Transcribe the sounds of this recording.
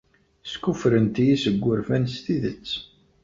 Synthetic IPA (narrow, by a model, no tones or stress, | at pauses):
skufɾənt̪ijisəɡʷːʊɾfænst̪iðət͡sː